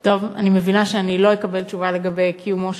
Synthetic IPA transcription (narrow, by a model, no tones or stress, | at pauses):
to̞va̰nimevinaʃeanilo̞jekabelt͡ʃuvaleɡabejkʰijumoʃ